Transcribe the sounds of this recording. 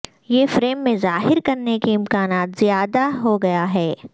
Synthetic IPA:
jefɾeːmːẽzaːɦɪɾkɐɾnekeɪ̃mkaːnaːt̪zjaːd̪aɦoɡɐjaɦɛː

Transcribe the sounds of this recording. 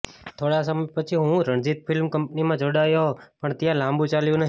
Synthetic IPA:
t̪ʰoɽasəməjpət͡ʃʰiɦũɾəɳ̃d͡ʒit̪̚fʰɪlmkəmpnimãd͡ʒoɽajoɦpəɳt̪jãlãmbũt͡ʃaljũnəɦ

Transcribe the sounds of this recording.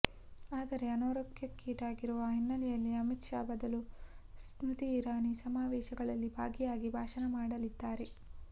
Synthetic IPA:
aːd̪ɐɾe̞ɐnoːɾokjɐkːiːʈaːɡiɾuʋɐɦinːɐlijɐlːiɐmit̪ʂaːbɐd̪ɐlusmɾut̪iːɾaːnisɐmaːʋɛːʃɐɡɐɭɐlːibʱaːɡijaːɡibʱaːʃɐnɐmaːɽɐlid̪ːaːɾe̞

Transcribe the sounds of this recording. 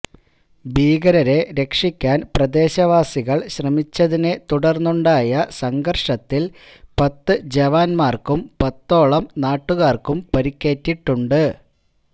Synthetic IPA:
biːɡɐɾɐɾe̞ɾe̞kʂikʲːaːnprɐd̪e̞ːɕɐʋaːsiɣɐɭɕrɐmit͡ɕːɐðine̞t̪uɽɐrnːuɳɖaːjɐsɐŋɡɐrʂɐt̪ːil | pɐt̪ːɨd͡ʑeʋaːnmaːrkumpɐt̪ːo̞ːɭɐmnaːʈːuɣaːrkumpɐɾikʲːe̞ːtːiʈːuɳɖɨ

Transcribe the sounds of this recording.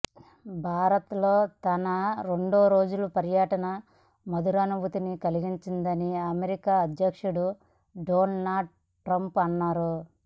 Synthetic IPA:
bʱaːɾɐt̪lo̞ːt̪ɐnɐɾe̞ɳɖoːɾo̞ːd͡ʒulupɐɾjɐʈɐnɐ | mɐd̪uɾɐnubʱut̪inikɐliɡiɲt͡ʃind̪ɐniɐmeɾikaːɐd̪jɐkʂuɽu | ɖoːnnaːɖ̚ | ʈɾɐmpɐnːaːɾu

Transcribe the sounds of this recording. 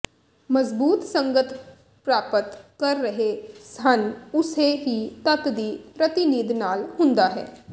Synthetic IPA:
məzbuːt̪səŋɡət̪ʰ | pɾaːpət̪kəɾːəɦesənʊseːɦiːt̪ət̪d̪iːpɾət̪ɪniːd̪naːlhʊ̃nd̪aːɦɛ̰ː

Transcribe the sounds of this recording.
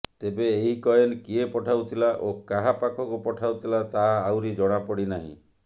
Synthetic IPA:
t̪ebeːɦikɔjenkiepɔʈʰawt̪ʰilaʔokaɦapakʰɔkupɔʈʰawt̪ʰilat̪aːwɾid͡ʒɔɽ̃apɔɽinaɦḭ̃

